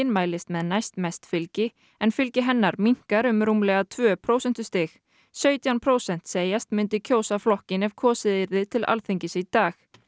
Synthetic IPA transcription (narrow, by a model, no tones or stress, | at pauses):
ɪnmaːjlɪst̪mɛðnajst̪mɛjst̪fɪlcɪ | ɛnfɪlcɪɦɛnːaɾmiŋ̥kaɾʏmɾuːmlɛɣat̪ʰvœːpʰɾoːwsɛn̥t̪ʏst̪ɪx | sœːɥt̪janpʰɾoːwsɛn̥t̪seːjast̪mʏnt̪ɪcʰoːwsaflɔhcɪnɛvkʰɔːsɪðɪɾðɪt̪ʰɪla̰lθiɲcɪsit̪aːx